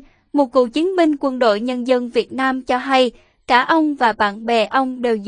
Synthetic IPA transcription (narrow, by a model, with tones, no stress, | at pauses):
mo˨˩t̚kṵ˨˧˨t͡ɕi˨˦ənɓï˧ŋ̟kwə˧nɗo̰˧˨jɲə˧nzə˧nvi˨˩ət̚naː˧mt͡ɕɔ˧ɦa˧j | kaː˧˩ʔə˧wŋ͡mvaː˨˩ɓa̰ː˧˨nɓɛ˨˩ʔə˧wŋ͡mɗe˨˩wz